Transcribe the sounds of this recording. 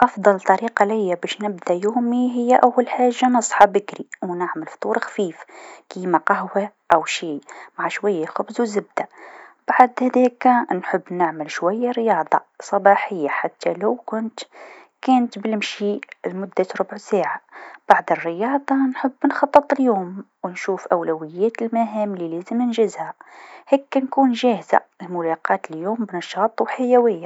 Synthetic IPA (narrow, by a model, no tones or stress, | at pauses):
ʔɑfd̪ˤɑlt̪ˤːɑɾiːqɑlɪjːabæʃnɪbd̪ajuːmiɦɪjːaʔawːalħaːʒːanɑsˤħɑbɪkɾiwnaʕməlft̪ˤuːɾxfiːfkiːmaqaɦwa | ʔawʃiːmaʕaʃwajːaxʊbzwzɪb̚d̪̥ab̥aʕd̪hæd̪ɛːknħəbːnɪʕməlʃwæjːaɾjɑːd̪ˤɑ̰sˤɑbɑːħəjːaħat̪ːalawkʊnt̪ | kæːnt̪bɪlmʃilmʊd̪ːaɾʊbʕsæːʕab̥aʕd̪ərːəjɑːd̪ˤɑnħəbːnxɑt̪ˤːɨt̪ˤljuːm | wnʃuːfʔawlæwɪjːæːt̪lmaɦæːmlilæːzəmnɪnʒɪzhahɛːkːnkuːnʒæːhza̰ɪlmʊlɑqɑːt̪əljuːmbnɑʃɑːt̪ˤwħajæwɪjːa